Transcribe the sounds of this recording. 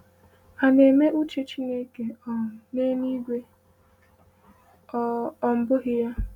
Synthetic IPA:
a˨ne˨me˦ʔu˦t͡ʃe˦t͡ʃi˦ne˦ke˨ɔ˨ne˦ni˦ɡʷe˦ | ɔ˨m̩˦bʊ˦ɣɪ˦ja˦

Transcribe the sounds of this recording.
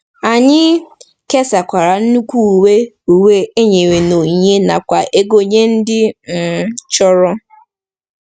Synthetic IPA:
a˨ɲɪ˦ | ke˦sa˨kʷa˨ɾa˨n̩˦nu˦kʷu˦˨we˦ | u˨we˦e˦ɲe˨we˨no˨ɲe˦na̰˨kʷa˨ʔe˦ɡo˨ɲe˦n̩˦dɪ˦m̩˨t͡ʃɔ˦ɾɔ˦

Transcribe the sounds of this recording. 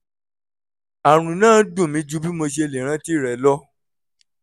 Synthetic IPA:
a˨ɾ̃ũ˧nãː˦˨˦dũ˦˨mĩ˨˦d͡ʒu˨˦bi˦mo˧ʃe˧e˧le˨ɾ̃ã˦ti˦˨ɾɛ˨˦lɔ˦

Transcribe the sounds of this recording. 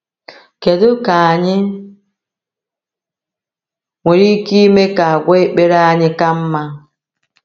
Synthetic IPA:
ke˨do˦ka˨a˨ɲɪ˦ | ŋʷe˨ɾi˦ki˦me˦ka˨a˨ɡʷɔ˦e˦k͡pe˦ɾa˦a˨ɲɪ˦ka˦m̩˦ma˦

